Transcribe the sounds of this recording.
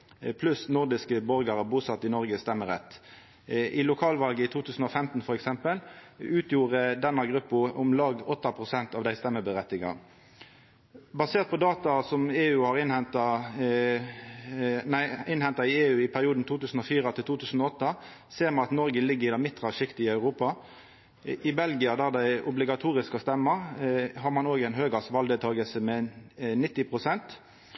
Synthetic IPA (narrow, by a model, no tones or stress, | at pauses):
pʰlʉsnʊʁd̪ɪskəbɔʁɡɑʁəbuːsɑt̪ːɪnɔʁɡəst̪ɛmːəʁɛt̪ː | ʔɪlʊkʰɑːlʋɑlɡəɪt̪ʰuːt̪ʰʉːsn̩ɔfɛmt̪n̩fɔɾɛksɛmpəlʉːt̪ʰjuːʁəd̪ɛnːɑɡʁʉpːʊʔʊmlɑːɡɔt̪ːɑpʰʁʊsɛnt̪ɑːʋd̪æɪst̪ɛmːəbəʁɛt̪ːɪɡɑ̰ʁ | bɑseːʁt̪̚pʰɔd̪ɑːt̪ɑsɔmeːʉːhɑʁɪnhɛnt̪ɑ | næɪɪnhɛnt̪ɑɪeːʉːɪpʰæʁɪuːd̪n̩t̪ʰuːt̪ʉːsn̩ɔfiːʁət̪ʰɪlt̪uːt̪ʰʉːsən̩ɔɔt̪ːɑseːʁmɑnɑt̪nɔʁɡəlɪɡːəʁɪd̪ɑmɪt̪ːʁɑʂɪkt̪ɪɪɑʉʁuːpɑ | ʔɪbɛlɡɪɑd̪æʁd̪æɪʔʊblɪɡɑt̪ʰuːʁɪskɔst̪ɛmːɑɦɑʁmɑnoːɡæɪnɦøːɡɑsʋɑld̪ət̪ʰɑːɡəlsəmɛnɪt̪ːɪpʰʁʊsɛnt̪